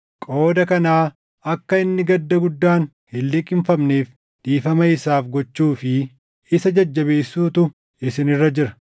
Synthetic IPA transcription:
kʼo̞ːd̪ɐkɐnaː | ɐkːɐɪnːɪɡɐd̪ːɐɡʊd̪ːaːn | hɪlːɪkʼɪmfɐmneːf | d̪̥iːfɐmɐɪsaːfɡɔt͡ʃːuːfɪ | ɪsɐd͡ʒɐd͡ʒːɐbeːsːuːt̪ʊ | ɪsɪnɪrːɐd͡ʒɪɾɐ̥

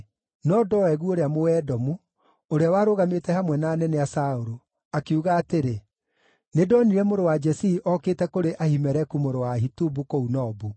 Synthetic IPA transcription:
nɔdɔɛɣuoɾeamoɛdɔmu | oɾeawaɾoɣametɛhamwɛnaːnɛnɛasaoɾo | akeuɣaːteɾe | nedɔniɾɛmoɾowad͡ʒɛsiːʔɔkeːtɛkoɾeʔahimɛɾɛkumoɾowaɦitubukounɔbu

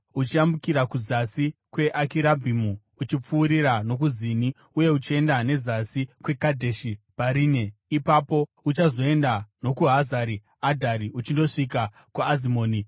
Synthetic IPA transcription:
ut͡ʃiambukiɾakuzasikwe̞ʔakiɾabʱimu | ut͡ʃip͡fuːɾiɾano̞k̬uzini | uje̞ut͡ʃie̞ndane̞zasikwe̞kadʱeʃipaɾiːne̞ipapo̞ | ut͡ʃazo̞e̞ndano̞kuɦazaɾi | adʱaɾiut͡ʃindo̞ʂika | kuazimoːni

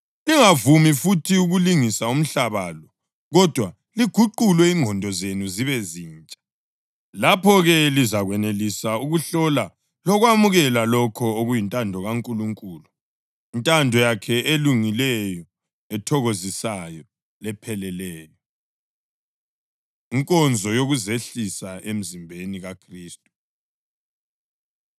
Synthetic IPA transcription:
liŋavumifutʰiuɣuliŋisaum̩ɬaβalɔ | ɣɔd̥ʱwa | liɡ̥ʱuǃulwɛiŋʱɔndʱɔzenuziβɛziːnt͡ʃʼḁ | lapʰɔɣɛlizaɣwɛnelisauɣuɬɔla | lɔɣwamuɣɛlalɔkʰɔoɣujintʼandʱɔɣaŋkʼuluŋkʼuːlu | intʼandʱɔjakʰɛeluŋilɛjɔ | ɛtʰɔɣozisajɔ | lɛpʰɛlɛlɛːjɔ | iŋkʼɔnd͡zʱɔjoɣuzeɬisaʔem̩zimbʱeniɣakʰriːstʼu

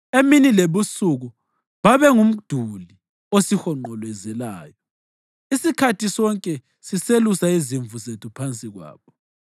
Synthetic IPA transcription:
eminileβusuɣu | βaβɛŋum̩d̥ʱuli | osihɔŋ͡ǃɔlwɛzɛla̰ːjɔ | isikʰatʰisɔŋkʼɛ | siselusaiziɱvuzetʰupʰant͡sʼiɣwa̰ːβɔ

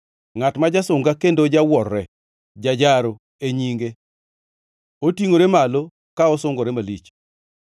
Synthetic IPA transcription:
ŋatmad͡ʒasʊŋɡakendod͡ʒawɔrːɛ | d͡ʒad͡ʒaɾo | eɲiŋɡe | otiŋoɾemalo | kaɔsʊŋɡoɾɛmalit͡ʃ

